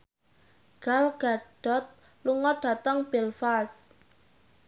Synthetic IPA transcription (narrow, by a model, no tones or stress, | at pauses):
ɡ̥alɡ̥aɖ̥ɔ̤t̪̚ | luŋɔɖ̥a̤t̪əŋb̥elfas